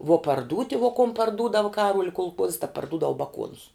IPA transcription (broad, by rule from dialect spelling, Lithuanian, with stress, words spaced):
ʋuɔ pɐrˈduːtʲɪ ʋoː koːm pɐrˈduːdɐw ˈkɑːruɔlʲ kʊlˠˈkuɔss tɐ pɐrˈdʊdɐw bɐˈkuɔnʊs